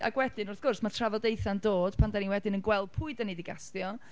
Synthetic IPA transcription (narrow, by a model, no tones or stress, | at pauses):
ʔa̰ɡwɛdɪnʊrθɡ̥ʊrsmatʰravɔdejθandoːd̥pʰandaniwɛdɪnənɡwɛlˠd̚pʰʊɨdənidɪɡastjɔ